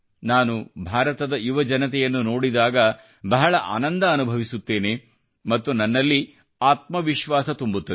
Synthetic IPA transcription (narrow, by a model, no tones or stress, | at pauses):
naːnubʱaːɾɐt̪ɐd̪ɐiʋɐd͡ʒɐnɐt̪̬ɛjɐnːuno̞ːɽid̪aːɡɐ | bɐɦɐɭɐʔa̰ːnɐnd̪ɐːnubʱɐʋisut̪ːe̞ːne | mɐt̪ːunɐnːɐlːi | aːt̪̚mɐʋiʃʋaːsɐt̪umbut̪ːɐ